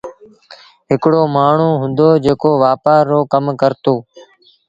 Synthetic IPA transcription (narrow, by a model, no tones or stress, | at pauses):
ɦɪkɽoːmaːɳ̤uːɦʊ̃nd̪oːd͡ʒeːkoːʋaːpaːɾoːkəmkəɾt̪oː